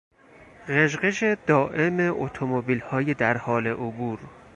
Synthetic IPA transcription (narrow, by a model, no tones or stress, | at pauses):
ɣeʒɢeʃed̪̥ɒːʔe̞meʔot̪ʰomobiːlhɒːjed̪æɾhɒːle̞ʔobuːɾ